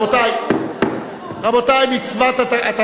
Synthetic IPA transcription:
ot̪aj | ʁabot̪ajmit͡svat̪aaat̪a

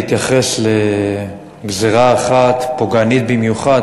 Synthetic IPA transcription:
it̪jaχe̞sle | ɡzeʁaːχat̪poɡanit̪̚bimjuχad̪

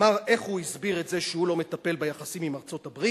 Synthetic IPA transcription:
aʁe̞χhuizbiʁetze̞ʃehulo̞met̪ape̞lbajaχasimimaʁt͡so̞tabʁi

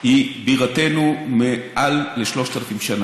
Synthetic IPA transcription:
ibiʁat̪e̞numeʔalːeʃlo̞ʃt̪alafimʃana

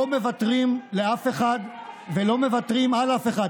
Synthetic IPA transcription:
ome̞vat̪ʁimleafe̞χad̪velo̞me̞vatʁimalafeχad

